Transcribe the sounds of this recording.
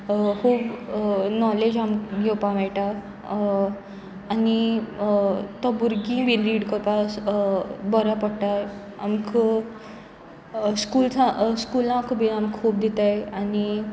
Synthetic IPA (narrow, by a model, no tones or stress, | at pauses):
kuːbnɔled͡ʑamkɡʱewpãʋɛjʈa | ani | t̪ɔbuɾɡĩʋinɾiːɽkɔɾpãs | bɔɾapəɽʈ̪a | a̰mk | skuːlsãskulãkbʱinamkkub̚d̪it̪ajani